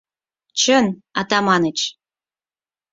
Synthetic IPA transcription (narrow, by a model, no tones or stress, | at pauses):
t͡ɕənɑt̪ɑmɑnət͡ɕ